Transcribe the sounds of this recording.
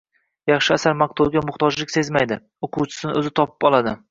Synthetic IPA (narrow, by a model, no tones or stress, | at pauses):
jɑχʃɪasaɾmaq̚t̪ʰuɡʲamʊχt̪ʰɒd͡ʒlɪkʲse̞zmajd̪ɪ | oqʰʊwt͡ʃʰɪ̥sɪnɪɵzɪt̪ʰɒpɪ̥pɒlˠad̪ɪ